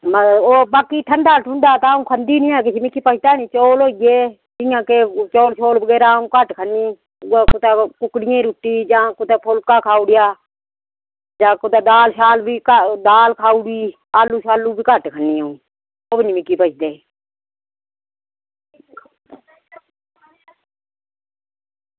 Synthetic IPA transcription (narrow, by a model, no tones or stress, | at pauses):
məoːbaːkiːʈʰənd̪aːlʈʰʊ̃nd̪aːt̪aaːũːkʰənd̪iːnĩːaːkɪt͡ʃʰːmɪkːiːpət͡ʃʰd̪aːnĩːt͡ʃoːloːijeː | d͡ʒɪjãːkeːt͡ʃoːlʃoːlbəɡeːɾaːũːkəʈkʰənːiː | kʊt̪eːkʊkɽɪjẽːɾuʈːiːd͡ʒãːkʊt̪eːpʰʊlkaːkʰaːuːɽɪjaː | d͡ʒãːkʊt̪eːd̪aːlʃaːlbiːkəd̪aːlkʰaːuɽiː | aːlːuːʃaːluːbʱiːkəʈkʰənːiːaũː | oːbəniːmɪkːiːpət͡ʃʰd̪eː